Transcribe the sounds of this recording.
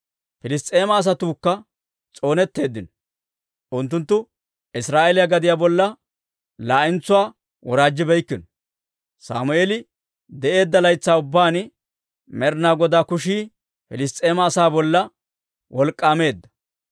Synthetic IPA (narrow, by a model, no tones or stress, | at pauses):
fɪlɪst̪ʼe̞ːmɐːs̬ɐt̪uːkːɐ | t͡sʼo̞ːnɛt̪ːe̞ːd̪ːɪnɔ | ʔʊnt̪ːʊnt̪ːʊ | ɪsɾaːʔelɪjɐɡɐd̪ɪjaːbɔlːɐ | laːʔɪnt͡sʊwaː | wɔɾaːd͡ʒːɪbɛjkːɪnɔ | sa̰ːmʊeːlɪ | d̪ɛʔe̞ːd̪ːɐlɐjt͡sːaːʊbːaːn | mɛɾnaːɡɔd̪aːkʊʃiː | fɪlɪst̪ʼe̞ːmɐːsaːbɔlːɐ | wɔlkʼːaːme̞ːd̪ːɐ̥